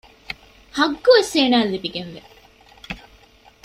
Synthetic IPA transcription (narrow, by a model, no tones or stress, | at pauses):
hɐɡːuʋeseːnaːlːibiɡenʋe